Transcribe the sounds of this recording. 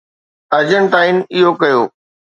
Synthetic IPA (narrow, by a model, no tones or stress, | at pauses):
ɐd͡ʑəñ̆ʈaːɪnɪɦokɐjoː